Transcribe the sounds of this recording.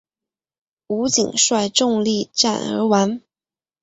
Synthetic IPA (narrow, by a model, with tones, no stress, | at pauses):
u˧˥t͡ɕḭ˨˩ŋʂwa˥˧ɪʈ͡ʂʊ˥˧ŋli˥˧ʈ͡ʂa̰˥˨˩nə̰˞˧˥wa˧˥n